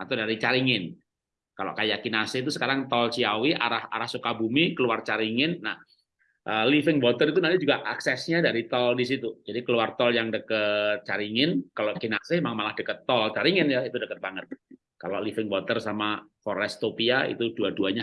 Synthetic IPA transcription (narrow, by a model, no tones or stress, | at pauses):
at̪awdaɾit͡ʃaɾiŋɪn | kalo̰ʔkajakinasɪht̪usəkaɾaŋt̪ɔlt͡ʃiawiʔa̰ɾaha̰ɾahsukabumikəluart͡ʃaɾiŋɪnːah | ʔəlifɪŋbɔt̪ərit̪unant̪id͡ʒuɡaʔa̰ksɛsɲadaɾit̪ɔldis̬it̪ud͡ʒadikəluart̪ɔljaŋdəkət̪̚t͡ʃaɾiŋɪnkaloʔkinasɪhemaŋmalahd̥əkət̪ːɔlt͡ʃaɾiŋɪnjait̪udəkət̪̚b̥aŋət̪̚ | kaloʔlifɪŋbɔt̪ərsamafɔɾɛst̪opiaḭt̪uduaduaɲa